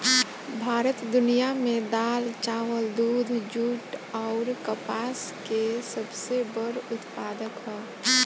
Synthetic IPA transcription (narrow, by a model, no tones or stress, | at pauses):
bʱaːɾət̪d̪ʊnijamẽd̪aːlt͡ʃaːʋəld̪uːd̪ʱd͡ʒuːʈɔʊɾkəpaːskesəbsebəɾʊt̪paːd̪əkɦɛː